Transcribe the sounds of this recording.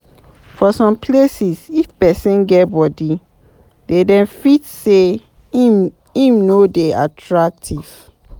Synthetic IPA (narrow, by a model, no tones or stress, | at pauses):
fɔsɔ̃mpʰlesisifpɛsɛ̃nɡɛtbɔdi | dedɛ̃mfitse | ĩmnodeatʰɹak̚tʰiv̥